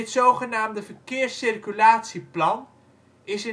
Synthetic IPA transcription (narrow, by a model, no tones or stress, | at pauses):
ɪtsowχənaːmdəvərkɪːrsɪrkylaːtsiplɑn | ɪsɪ